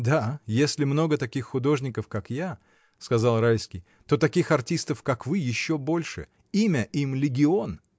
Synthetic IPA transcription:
d̪ajesʲlʲɪmno̞ɡət̪ɐkʲixːʊd̪o̞ʐnʲɪkəfkakja | skɐzɑlˠɾajskʲɪj | t̪o̞t̪ɐkʲixɐrtʲist̪əfkakvɨjɪɕːobo̞lʲʂɨ̰ | imʲəʔimlʲɪɡʲɪon

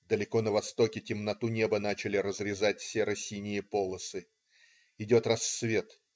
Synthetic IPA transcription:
d̪əlʲɪko̞nəvɐst̪o̞kʲɪtʲɪmnɐt̪unʲe̞bənat͡ɕɪlʲɪɾəzɾʲɪzat̚ʲfsʲeɾɐsʲinʲɪjəpo̞lˠəsɨ | ɪdʲo̞t̪rɐsːvʲe̞t̪

